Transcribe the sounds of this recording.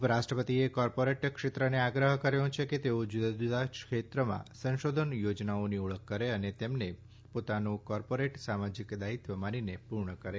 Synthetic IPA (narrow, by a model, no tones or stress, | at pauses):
pɾaʃʈɾəpət̪iekɔɾpoɾeʈkʃɪt̪ɾəneaɡɾəɦəkəɾjõt͡ʃʰeket̪eod͡ʒud̪d͡ʒud̪aʃkʰet̪ɾəmã̰sə̃ʃod̪ʱənjod͡ʒnaoniuɭəkʰːəɾeənet̪emne | pot̪anũkɔɾpoɾeʈsamad͡ʒikd̪ait̪ʋəmãninepuɾɳəkəɾe